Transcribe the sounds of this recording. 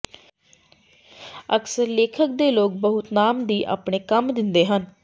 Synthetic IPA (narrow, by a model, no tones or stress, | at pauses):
əksəɾleːkʰək̚d̪eːloːk̚bəɦʊt̪naːmd̪iːʔa̰ːpɽeːkəmd̪ɪnd̪eːɦən